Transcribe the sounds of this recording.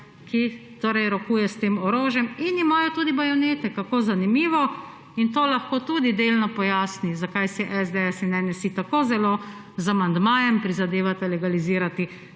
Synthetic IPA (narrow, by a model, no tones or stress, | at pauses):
kit̪oːɾɛjɾɔkuːjɛst̪eːmɔɾoːʒjɛminimaːjɔt̪uːd̪ibajɔneːt̪ɛkakoːzanimiːʋɔ | int̪oːlaxkoːt̪uːd̪id̪elnɔpɔjaːsnizakajsɛʔɛzd̪ɛɛsinnɛnɛsit̪akoːzɛlo | zamand̪maːjɛmpɾizad̪eːʋat̪ɛlɛɡaliziːɾat̪i